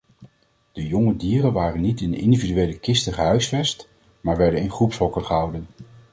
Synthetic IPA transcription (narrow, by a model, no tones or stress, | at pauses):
d̥əjɔŋədiːrənʋaːrənːitɪnɪ̰ndividyʋejləkɪstəχəɦœɥsfɛst | maːɹʋɛɹdənɪnχrupsɦɔkəχəɦʌwdən